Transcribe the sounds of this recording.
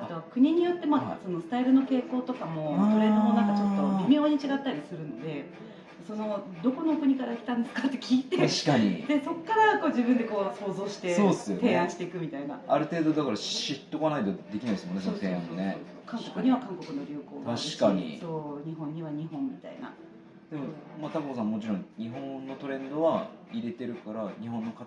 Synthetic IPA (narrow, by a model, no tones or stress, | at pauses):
at̪o̞βakɯ̟ɲ̟iɲ̟ijo̞t̪ːe̞maso̞no̞sɨ̥t̪aiɾɯ̟no̞ke̞ːko̞ːt̪o̞kamo̞t̪o̞ɾe̞d̪ononãŋkat͡ɕo̞t̪ːo̞bʲimʲio̞ːɲ̟it͡ɕiɡat̪ːaɾʲisɨɾɯ̟no̞d̪e̞ | so̞no̞ | d̪o̞ko̞no̞kɯ̟ɲ̟ikaɾakʲi̥t̪ãnd̪esɨ̥kat̪ːe̞kʲiːt̪eaɕi̥kaɲḭd̪e̞so̞kːaɾako̞ːd͡ʑibɯ̟̃nd̪eko̞ːso̞ːzo̞ːɕi̥t̪e̞oːdesɨjot̪ẽ̞ːãɰ̃ɕi̥t̪eikɯ̟mʲit̪aina̰aɾɯ̟t̪e̞ːd̪o̞d̪akaɾaɕit̪ːo̞kanait̪od̪e̞kʲinaid̪esmonesoot̪ẽãnone | kãŋkokɯ̟ɲ̟iβakãŋko̞kɯ̟no̞ɾʲoːko̞ːnaɕi̥kaɲḭt̪oɲ̟iɦõɲ̟ːiβaɲ̟iɦõ̞mmʲit̪a̰ina̰ | d̪̥e̞momat̪akkos̬ãmːo̞t͡ɕiɾõ̞ŋɲ̟iɦõ̞nːo̞t̪o̞ɾẽ̞nd̪o̞βaiɾe̞t̪e̞ɾɯ̟kaɾaɲ̟iɦõ̞nːoka